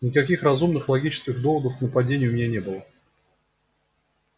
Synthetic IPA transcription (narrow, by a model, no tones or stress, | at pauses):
nʲɪkɐkʲixrɐzumnɨxlˠɐɡʲit͡ɕɪ̥skʲɪɣd̪o̞vəd̪əfknəpɐdʲenʲɪjʊmʲɪnʲanʲe̞bɨlˠə